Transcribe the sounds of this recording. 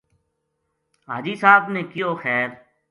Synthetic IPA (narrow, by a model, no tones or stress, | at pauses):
ɦa̰ːd͡ʒiːsaːbneːkijoːxɛːɾ